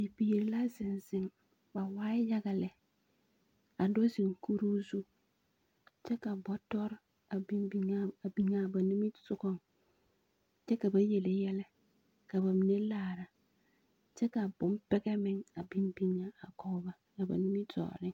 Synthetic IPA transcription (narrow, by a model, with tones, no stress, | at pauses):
i˨pi˨ji˨ɾla˦zɪ˨n˨zɪ˦ŋ | ba˨waː˦ɪ˦ja˦ɡa˨lɛ˨ | a˨do˦si˨ŋ˨ku˦ɾu˦su˦ | t͡ʃɛ˦ka˨bɔ˦tɔ˦ɾ | a˨bi˦mbi˨˦ŋa˦a˨bi˨ŋa˨ba˨nu˦mi˦sʊ˦kɔ˦ŋ | t͡ʃɛ˦ka˨ba˦je˨le˨jɛ˦lɛ˦ | ka˨ba˨mi˨ne˦laː˨ɾa˨ | t͡ʃɛ˦ka˨bʊ˨˦m˦pɛ˦ɡɛ˦mɪ˦ŋa˨bi˦m˦bi˦ŋa˦a˨kɔ˦ba˦na˨ba̰˨nu˦mi˦tɔ̰ː˨ɾɪ˦ŋ